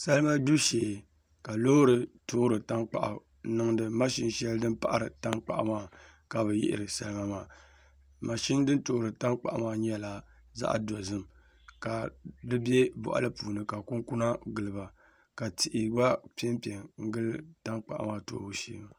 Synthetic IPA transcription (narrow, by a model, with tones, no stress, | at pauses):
sa˦lɨ˦ma˦du˦ʃeː˨ | ka˨lo˦ɾɨ˨toː˦ɾɨ˨ta˦ŋk͡pa̰˨ʔa̰˨˦ | nɨ˦ŋdɨ˨ma˦ʃi˦nʃɛ˦ldɨ˦npa˨ʔa˨ɾɨ˨ta˦ŋk͡pa̰˨ʔa̰˨maː˦˨ | ka˨bɨ˨jɪ̰˦ʔɪ̰˨ɾɨ˨sa̰˨lɨ˦ma˦maː˨ | ma˨ʃi˦n˦dɨ˦nto˦ɾɨ˨ta˦ŋk͡pa˨ʔa˨maː˦ɲɛ˦la˦ | za̰˦ʔdɔ˨zɨ˦m | ka˨dɨ˦bɛ˦bɔ̰˨ʔa̰˨lɨ˦puː˨nɨ˨ka˨ku˦ku˦na˦ɡɨ˨lɨ˨ba˨ | ka˨tɪ˨ʔɪ˨ba˦pɛ˦mpi˨ɛ˨ŋŋ̩˦ɡɨ˦lɨ˦ta˦ŋk͡pa̰˨ʔmaː˦to̰˦u˦ʃḛː˦ma˨